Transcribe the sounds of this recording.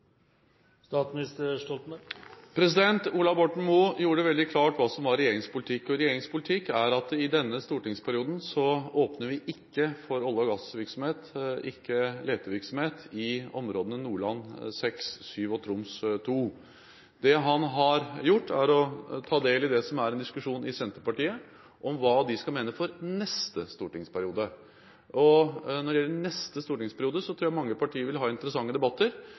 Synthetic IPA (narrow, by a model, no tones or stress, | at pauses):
st̪ɑːt̪smɪnɪst̪əʂʈɔlt̪nəpʰɾɛs̬ɪd̪ɛnt̪uːlɑbɔʈɳ̩muːjuːɾəʋɛld̪ɪkʰlɑːʈʋɑːsɔmʋɑɾɛjeːɾɪŋspʊlɪt̪ʰɪkːɔɾɛjeːɾɪŋspʰʊlɪt̪ʰɪkːæɾɑt̪ɪd̪ɛnːəst̪uːʈɪŋspʰæɾɪuːd̪n̩sɔoːpnəɾʋɪʔɪkːəfɔɾɑlːəɡɑsʋɪɾksɔm̩heːt̪ʔɪkːəleːt̪əʋɪɾksɔm̩heːt̪ɪɔmɾoːd̪nənuːɭɑnːsɛksːyːʋɔt̪ʰɾʊmst̪ʰuː | d̪ɛɦɑnɦɑɾjʊʈːæɾɔt̪ʰɑːd̪eːlɪd̪ɛsɔmæɾɛnd̪ɪskʉʂuːnɪsɛnt̪əpɑʈiːə | ʔɔmʋɑːd̪ɪskɑmeːnəfɔɾnɛst̪əst̪uːʈɪŋspʰæɾɪuːd̪ə | ɔnɔɖ̪ɛjɛlːənɛst̪əst̪uːʈɪŋspʰæɾɪuːd̪əsɔt̪ʰɾuːjæmɑŋːəpɑʈʰiːəɾʋɪlɦɑːɪnt̪əɾəsɑŋːəd̪ɛbɑt̪ːəɾ